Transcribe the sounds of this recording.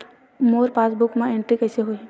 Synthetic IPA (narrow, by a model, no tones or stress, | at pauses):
moːɾpaːsbʊkmẽẽɳʈɾikɛːseɦoiɦ